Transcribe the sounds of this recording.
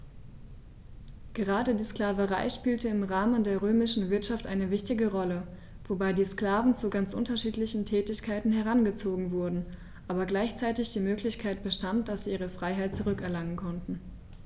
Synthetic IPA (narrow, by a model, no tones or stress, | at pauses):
ɡ̥əʁaːdədiːsklaːvəʁaɪʃpiːltəɪmʁaːməndeːɐʁøːmɪʃn̩vɪɐtʃaftʔaɪnəvɪçtɪɡəʁɔlə | v̥obaɪdiːskl̥aːvn̩t͡suɡant͡sʔʊ̰ntɐʃiːtlɪçn̩tʰɛːtɪçkʰaɪtn̩hɛɐʁanɡət͡soːɡŋ̩vʊɐdn̩ | ʔaːbɐɡlaɪçt͡saɪtɪçd̥iːmøːklɪçkʰaɪt̚b̥əʃtantd̥asz̥iːʔiːʁ̞əfʁ̥aɪɦaɪt̚t͡suʁʏkɛɐlaŋənkʰɔntn̩